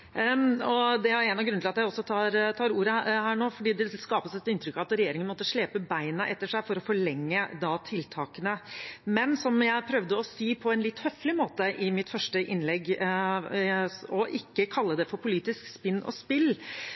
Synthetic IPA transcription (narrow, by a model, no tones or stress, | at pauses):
ɔd̪ɛæɾænɑʋɡɾʉnɪlɑt̪jæɪɔsːɔt̪ʰɑːɾt̪ʰɑːɾuːɾəhæːɳoːfɔɖiːd̪ɛskɑːpəsɛt̪ɪnt̪ɾʏkːɑʋɑt̪ɾɛjeːɾɪŋənmɔt̪ːəʂɭɛːpəbæɪnəʔɛt̪ːəʂæɪfɔɾɔfɔɭɛŋːəd̪ɑt̪ʰɪlt̪ʰɑːkənəmɛnsɔmjæɪpʰɾœʋd̪əɔsiːpʰɔɛnlɪt̪ːhœflɪmoːt̪əʔɪmɪt̪fœʂʈəʔɪnlɛɡ | ɔʔɪkːəkʰɑlːəd̪ɛfɔɾpʰʊliːt̪ɪskspɪnːɔ̰spɪl